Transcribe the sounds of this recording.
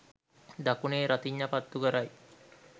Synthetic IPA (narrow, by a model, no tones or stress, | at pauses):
d̪akuneːɾat̪iɲːəpat̪ːuɡəɾaj